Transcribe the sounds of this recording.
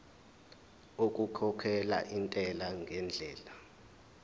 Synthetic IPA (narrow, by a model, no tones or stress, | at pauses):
ok̬ʼukʰɔkʰɛla̰ʔintʼɛlaŋɡʱɛnd͡ɮʱɛːla